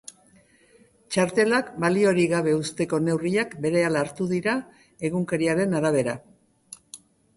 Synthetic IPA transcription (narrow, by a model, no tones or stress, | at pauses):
t͡ʃaɾt̪e̞lakbalio̞ɾiɣaβ̞e̞ust̪e̞ko̞ne̞wriakbe̞ɾe̞alaːɾt̪uðiɾa | e̞ɣuŋkeɾiaɾe̞naɾaβ̞e̞ɾa̰